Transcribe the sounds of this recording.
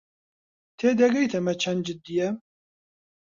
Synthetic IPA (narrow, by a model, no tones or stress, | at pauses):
t̪ʰeːd̪ɛɡɛjt̪ʰɛmɛt͡ʃʰɛnd͡ʒɪt̪̚d̪ijɛ